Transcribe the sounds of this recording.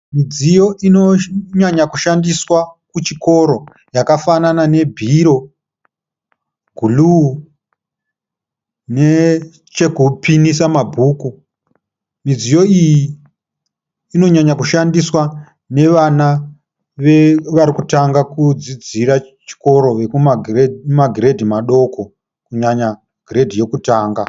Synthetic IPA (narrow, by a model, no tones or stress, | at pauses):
mid͡zijo̞ʔinoɲaɲakuʃandiswakut͡ʃiko̞ɾo̞ | jakafananane̞bʱiɾo̞ | ɡ̥ʱulu | ne | t͡ʃe̞kupinisamabʱuːku | mid͡zijo̞iji | no̞ɲaɲakuʃandiswa | ne̞ʋana | ʋe̞ʋaɾikutaŋɡakud͡zid͡ziɾa | t͡ʃi̥ko̞ɾo̞ʋe̞kumamaɡʱiɾedʱimaɗo̞ko̞ | kuɲaɲa | ɡ̥ʱiɾe̞dʱije̞kutaːŋɡa